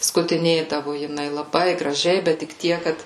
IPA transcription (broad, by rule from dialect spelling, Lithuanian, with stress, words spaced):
skʊtʲɪˈnʲeːdɐʋoː jɪˈnɐɪ lˠɐˈbɐɪ ɡrɐˈʒʲɛɪ bʲɛt tʲɪk ˈtʲiɛk ˈkɐt